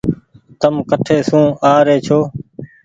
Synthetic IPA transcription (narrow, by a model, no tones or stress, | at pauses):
t̪əmkəʈʰeːsũːaːɾeːt͡ʃʰoː